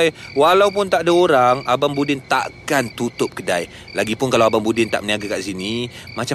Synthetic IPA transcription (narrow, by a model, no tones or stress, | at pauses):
jwalawpʊnt̪aʔdaoɾaŋabambudɪnt̪a̰ʔkant̪ut̪ʊp̚kədaj | laɡipʊnkalawabambudɪnt̪aʔməniaɡakaʔsinimat͡ʃa